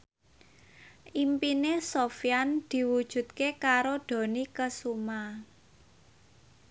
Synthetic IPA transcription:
ʔimpinesofijand̪̥i̤wud̥ʒ̥ṳt̪̚kekaɾoɖ̪̥o̤nikəsuma

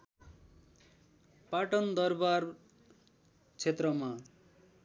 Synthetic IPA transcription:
paʈʌnd̪ʌrbar | t͡sʰet̪rʌma

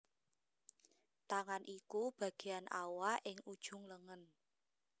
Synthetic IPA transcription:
t̪aŋanʔikub̥a̤ɡ̥ejanʔawaʔɪŋud̥ʒ̥ʊŋləŋən

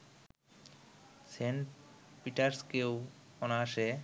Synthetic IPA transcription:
seɳʈpiʈaɾskewɔnaaʃe

